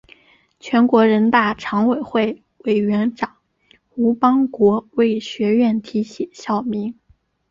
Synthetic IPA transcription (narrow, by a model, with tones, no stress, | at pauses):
t͡ɕʰɥɛ˧˥nkwɔ˧˥ɻə˧˥nt̪a˥˩ʈ͡ʂʰɑ˧˥ŋwe˨˩ɪxwe˥˩ɪ | we˨˩ɪɥɛ˧˥nʈ͡ʂɑ˨˩˦ŋ | xu˧˥pɑ˥ŋkwɔ˧˥we˥˩ɪɕɥɛ˧˥ɥɛ˥˩nt̪ʰi˧˥ɕjɛ˨˩˦ɕjɑ˥˩ʊmi˧˥ŋ